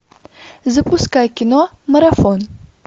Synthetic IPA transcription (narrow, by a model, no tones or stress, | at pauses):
zɨpʰʼuskakʲino | mɐɾafon